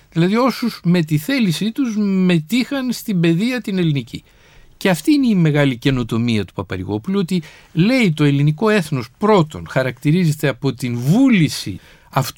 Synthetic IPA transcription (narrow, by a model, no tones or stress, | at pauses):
ðilɐðio̞suz̥me̞t̪iθe̞lisit̪uzme̞t̪ixɐnst̪imbe̞ðiɐt̪ine̞linicḭ | ce̞ɐft̪iineime̞ɣɐlice̞no̞t̪o̞miɐt̪upɐpɐ̰ɾḭɣopuluo̞t̪i | le̞it̪o̞e̞liniko̞e̞θno̞spɾo̞t̪o̞̰nxɐɾɐkt̪iɾize̞t̪eɐpo̞t̪invulisḭ | ɐft̪